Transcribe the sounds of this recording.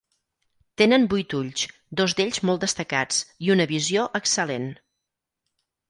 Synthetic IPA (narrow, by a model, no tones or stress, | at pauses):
t̪enənbujt̪uʎs | d̪ozd̪eʎzmɔlˠt̪d̪əst̪əkat͡siunəβizioʔəksəlen